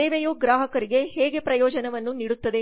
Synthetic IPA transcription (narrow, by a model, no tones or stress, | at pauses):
eːʋejuɡɾaːɦɐkɐɾiɡe̞ɦeːɡe̞pɾɐjɔːd͡ʒɐnɐʋɐnːuniːɽut̪ːɐd̪e